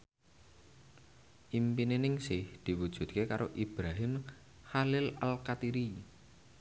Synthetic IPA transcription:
ʔimpinenɪŋsɪhd̪̥i̤wud̥ʒ̥ṳt̪̚kekaɾʔoʔib̥ɾaɦɪm | halɪla̰lkat̪iɾi

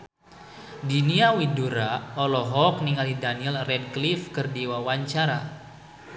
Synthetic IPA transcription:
diniawiduɾaɔlɔɦɔk̚niŋalidaniɛlrɛd̚klifkɨrdiwawaɲt͡ʃaɾa

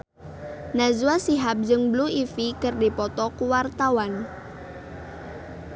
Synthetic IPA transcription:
nazuasiɦap̚d͡ʒɨŋbluifikərdipɔt̪ɔkuwart̪awan

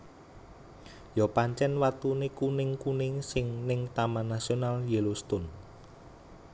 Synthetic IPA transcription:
jɔpaɲt͡ʃɛnwat̪unekunɪŋkunɪŋsɪŋnɪŋt̪amanasionaljelust̪ʊn

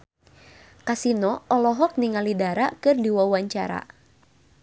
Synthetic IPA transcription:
kasinɔɔlɔɦɔk̚niŋalidaɾakɨrdiwawaɲt͡ʃa̰ɾa̰

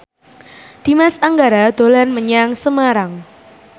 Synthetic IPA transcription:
d̪̥i̤masaŋɡaɾad̪̥o̤lanməɲaŋsəmaɾaŋ

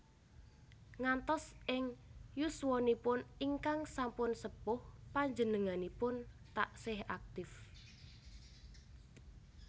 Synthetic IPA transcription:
ŋant̪ɔsʔɪŋjuswɔnipʊniŋkaŋsampʊnsəpʊhpaɲd͡ʒənəŋanipʊn | t̪a̰ʔsɪhak̚t̪ɪf

